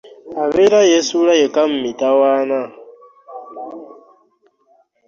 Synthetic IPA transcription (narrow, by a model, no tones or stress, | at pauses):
aβelajesulajekamumitawaːna